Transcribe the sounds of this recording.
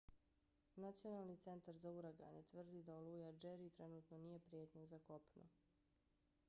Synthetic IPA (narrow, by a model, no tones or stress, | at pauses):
nat̪sio̞nalˠnit̪se̞nt̪aɾzauɾaɡa̰net̪ʋr̩d̪id̪aolˠujad͡ʒeɾit̪ɾenuːt̪no̞nije̞pɾijeːt̪ɲazakopnṵ